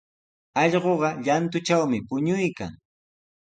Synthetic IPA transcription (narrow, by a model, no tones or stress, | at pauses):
ɑʎɢoɢɑʎant̪ʊt͡ʃawmɪpʊɲʊjka̰ŋ